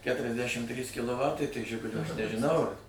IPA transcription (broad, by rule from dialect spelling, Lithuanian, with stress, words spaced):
ˈkʲæːtʲrʲɛzʲdʲæʃʲɪm ˈtʲrʲiːs kʲɪlˠoːˈʋɑːtɐɪ tɐɪ ˈʒʲɪɡʊlʲoː ɐʃ nʲɛʒʲɪˈnɐʊ ɐr